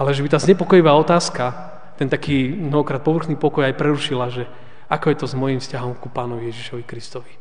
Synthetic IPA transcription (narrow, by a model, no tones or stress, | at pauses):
alɛʒɛbit̪aːzɲɛpɔkɔjiʋaːɔt̪aːska | t̪ɛnt̪akiːmnɔɦɔkɾaːt̪̚pɔʋr̩xniːpɔkɔjajpɾɛɾuʃilaʒɛ | akɔjɛt̪ɔzmɔjimfscaɦɔmkupaːnɔʋijɛʒiʃɔʋikɾist̪ɔʋi